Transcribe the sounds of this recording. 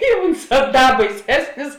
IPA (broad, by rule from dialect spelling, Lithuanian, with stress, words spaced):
ɪ ˈʊnˌsɑː ˈdɐ bɐɪˈsʲæːsʲnʲɪs